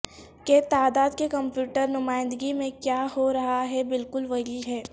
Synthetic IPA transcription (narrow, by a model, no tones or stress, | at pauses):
ket̪aːd̪aːd̪kekɐ̃mpjuːʈəɾnʊmaːɪ̃nd̪ɡimẽkjaːɦoɾɐɦaɦɛbɪlkʊlʋɐɦiɦɛː